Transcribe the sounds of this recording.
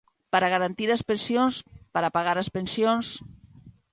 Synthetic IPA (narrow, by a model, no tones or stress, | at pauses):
pəɾaɣaɾant̪iɾəspensjonspəɾapaɣaɾəspənsijons